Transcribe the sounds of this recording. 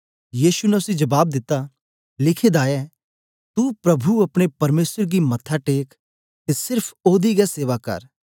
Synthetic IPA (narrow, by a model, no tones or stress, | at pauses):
jiːʃunɛʊsĩd͡ʒɐbaːb̚d̪ɪt̪ːa | lɪkʰed̪aːjɛː | t̪upɾɐbʱuɐpɽ̃epɐɾmeːsəɾɡimɐt̪ʰaʈeːk | t̪esɪɾpʰoːd̪iɡaseːʋakɐ̰ɾ